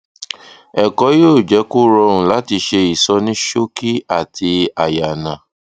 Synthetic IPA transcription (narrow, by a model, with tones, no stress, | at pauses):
ɛ˨kɔ˨˧˦joː˦˨d͡ʒɛ˨˦ku˦ɾɔ˧ũ˨la˨˦ti˧ʃe˧i˨sɔ˧nĩ˦ʃo˦ki˦a˨tʰi˧a˨ja˨nã˨